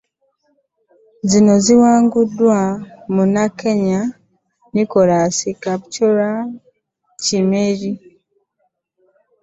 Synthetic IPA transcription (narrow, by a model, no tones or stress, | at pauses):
zino̞ziwaːŋɡudwamunake̞ɲa | nikoɾasikapcoɾa | cimeɾi